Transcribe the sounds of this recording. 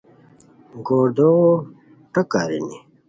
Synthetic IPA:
ɡoːɾd̪o | ʈɐkaːɾḭni

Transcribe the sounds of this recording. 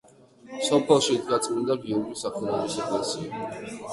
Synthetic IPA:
sɔpʰɛlˠʃid̪ʰɡat̪sʼmind̪aɡiuɾɡisaχʰɛlˠɔɾisɔpʰɛlsia

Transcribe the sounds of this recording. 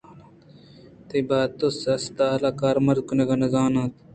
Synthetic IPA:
t̪ɐjbaːt̪osɐst̪aːɐlaːkaːɾmɐɾd̪̚kunɐɡɐnɐzaːnãːt̪

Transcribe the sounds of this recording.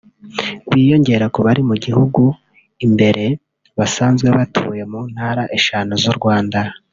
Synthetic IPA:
βiːjo̞ɲɟe̞ɾakoβaɾimuɟihuɡu | imbe̞ɾe̞ | βasaːnzɡwe̞βatʰuːje̞muːn̥haːɾaʔeʃaːnozuɾɡwaːnda

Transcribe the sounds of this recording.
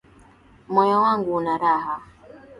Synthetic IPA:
mɔjɔwaŋɡunaɾaɦa

